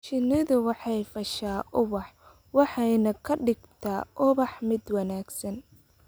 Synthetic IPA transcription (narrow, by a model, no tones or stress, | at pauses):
t͡ʃɪnɪðʊwɑħɑjfɐʃaːʔʊβɑħ | wɑħɑjnɐkʰɐɖɪɡt̪ʰaːʔʊβɑħmɪd̪wɐnaːɡsɐn